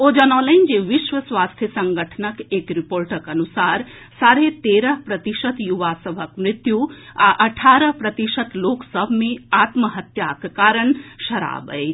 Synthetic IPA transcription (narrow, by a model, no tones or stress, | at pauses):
od͡ʒɐnaːlɐnd͡ʒeʋiʃʋɐsʋaːst̪ʰjɐsɐŋɡʱəʈʰənɐkeːkɾipoːɾʈəkɐnusaːɾ | saːɾet̪eːɾəɦpɾɐt̪iʃɐt̪juʋasɐbʱɐkmɾɪt̪jua̰ʔɐʈʰaːɾəɦpɾɐt̪iʃət̪loːksəbʱmeaːt̪məɦɐt̪jakkaːɾəɳʃɐɾa̰ːbə̰j